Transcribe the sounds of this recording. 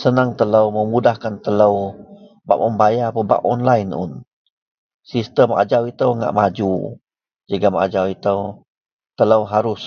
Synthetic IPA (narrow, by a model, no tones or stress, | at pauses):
sənaŋt̪ələwməmudahkant̪ələw | ba̰ʔ̚əmbajapəba̰ʔɔnlajnʊ̰n | sist̪əma̰d͡ʒawit̪əwŋa̰ʔmad͡ʒu | d͡ʒəɡama̰d͡ʒawit̪əw | t̪ələwɦaɾʊs